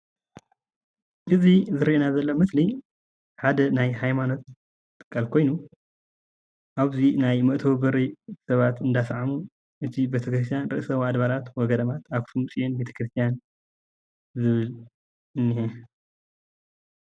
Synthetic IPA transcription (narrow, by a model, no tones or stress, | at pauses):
ʔɨzizɨɾiʔenazɐlːomɨsli | ħad̪ɐnajhajmano̞t̪ | t̪ʼːɨ̥kʰʼːalkʰo̞jnu | ʔaβzinajmɐʔt̪ʰɐbɨɾisɐβat̪ɨnd̪asʕamu | ʔɨt̪ʰibet̪ʰɐkɾɨs̬t̪ʰjanɾɨ̰ʔɨsɐβad̪βalat̪wɔɡɐd̪ɐmat̪akt̪ʰumt͡sʼijenbe̞t̪ʰɐ̥kɾɨst̪ʰijan | zɨβɨl | ɨnːihe